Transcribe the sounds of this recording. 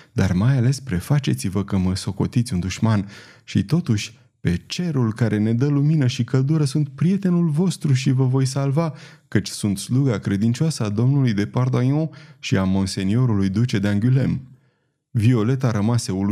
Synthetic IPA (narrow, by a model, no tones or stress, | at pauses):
d̪armajale̞spɾe̞fat͡ʃe̞t̪sivəkəməso̞ko̞̰t̪it̪sʲund̪uʃmanʃḭt̪o̞t̪uʃʲ | pe̞t͡ʃe̞ɾulkaɾʔe̞ne̞d̪əluminəʃikəld̪uɾəsunt̪̚pɾije̞t̪e̞nulvo̞st̪ɾuʃivəvo̞js̬alvakət͡ʃʲsunt̪sluɡakɾe̞d̪int͡ʃoasəad̪o̞mnulujd̪e̞pard̪ojɔ̃ʃiamonse̞nio̞ɾulujd̪ut͡ʃe̞d̪eaŋɡʲyle̞̰m | vio̞le̞t̪aɾəmaseul